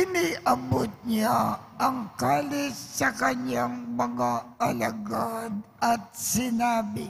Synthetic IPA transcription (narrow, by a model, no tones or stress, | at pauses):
ɪniʔɐbot̪̚ɲaʔɐŋkaːlɪsːɐkɐɲaŋmɐŋaɐlaɡad̪ɐt̪̚sɪnaːbɪ